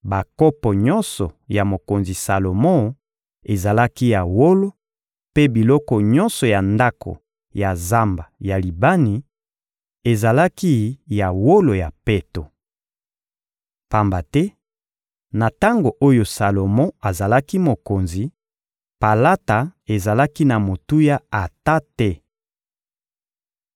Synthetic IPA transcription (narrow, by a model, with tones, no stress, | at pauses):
ba˨kɔ˦pɔ˨ɲɔ˦nsɔ˨ja˨mo˨ko˨nzi˨sa˨lo˨mɔ̃˦ | e˨za˨la˦ki˦ja˨wo˦lo˦ | pe˦bi˨lɔ˦kɔ˨ɲɔ̃˦nsɔ˨ja˨nda˦kʰo̰˨ | ja˨za˦mba˨ja˨li˨ba˦ni˨ | e˨za˨la˦ki˦ja˨wo˦lo˨ja˨pe˦to̰˨ | pa˨mba˨tɛ˦ | na˨ta˦ŋɡo˨ʔo˦jo˨sa˨lo˨mɔ̃˦a˨za˨la˦ki˦mo˨ko˨nzi˨ | pa˨la˦ta˨e˨za˨la˦ki˦na˨mo˨tu˦ja˦a˨ta˦tɛ˦